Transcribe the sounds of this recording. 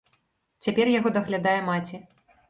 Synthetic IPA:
t͡sʲapʲɛrjaɣɔd̪ɐɣlʲad̪ajɛmat͡sʲi

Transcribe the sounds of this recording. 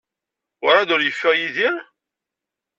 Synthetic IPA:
ʊɾˤɑd̪ʊɾjəfːæʁjiðiɾ

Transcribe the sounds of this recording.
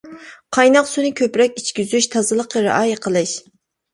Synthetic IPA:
qʰɑjnɑqsunɨkʲʰøpɾɛkʲit͡ʃkʲyzyʃt̪ʰɑzɨlˠəqːəɾɪ̰ʔɑːjɪqʰəlˠɨʃ

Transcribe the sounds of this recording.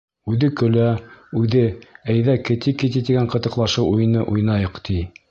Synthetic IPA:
ʉðɘkɵ̆læʉðɘæjðækɘ̆t̪ikit̪it̪iɡæɴqɤ̆t̪ɤ̆qlˠɑʃɤwʔujɤ̆nɤʔujnɑjɤqt̪i

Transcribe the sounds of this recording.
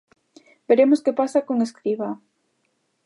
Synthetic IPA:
beɾemoskepasakoŋeskɾiβa

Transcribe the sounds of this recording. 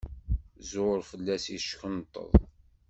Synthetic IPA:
zɾfəlːæsiʃçənt̪ˤːə̰ðˤ

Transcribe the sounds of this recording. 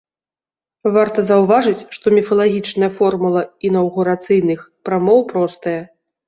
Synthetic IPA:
vart̪ɐzɐwvaʐɨt͡sʲʂt̪ɔmʲifɐlˠaɣʲit͡ʂnɐjɐfɔrmulˠɐinɐwɣuɾat̪sɨjn̪ɨxpɾamɔwpɾɔst̪ɐjɐ

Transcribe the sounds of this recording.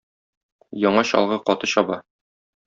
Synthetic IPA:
jɒɴɑɕɒ̰lˠʁɤqɒt̪ɤɕɒbɑ

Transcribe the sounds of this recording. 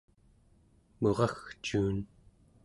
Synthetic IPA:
moʁɑxt͡ʃuːn

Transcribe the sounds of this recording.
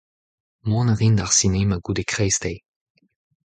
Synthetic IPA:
mɔ̃nəʁindaʁsinemaɡudekʁɛjst̪ej

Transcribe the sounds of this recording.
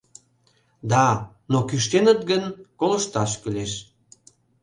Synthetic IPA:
d̪ɑ | nokyʃt̪enət̪̚ɡənkoləʃt̪ɑʃkyleʃ

